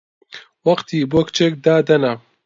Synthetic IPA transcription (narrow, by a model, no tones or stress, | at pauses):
wɐqt̪iːboːkt͡ʃeːk̚d̪aːd̪ɐnɐ